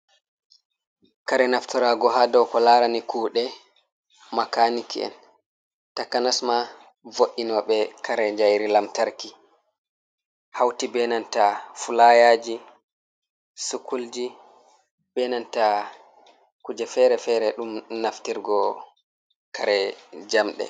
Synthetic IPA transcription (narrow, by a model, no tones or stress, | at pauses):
kaɾɛnaftiɾaɡɔɦadɔwkɔlaːɾanikuːɗɛ | makanikiɛ̰n | takanasma | voʔːinɔɓɛkʰaɾɛɲd͡ʒajɾilamtaɾki | hawtibɛnantafulajaːd͡ʒi | sukuld͡ʒi | bɛnanta | kud͡ʒɛfɛɾɛfɛɾɛɗumnaftiɾɡɔ | kʰaɾɛd͡ʒamɗɛ̰